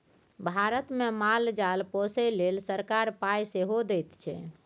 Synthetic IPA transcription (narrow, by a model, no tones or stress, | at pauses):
bʱaɾət̪memald͡ʒalposɛlelsəɾkaɾpajseɦod̪ɛjt̪t͡ʃʰɛ̰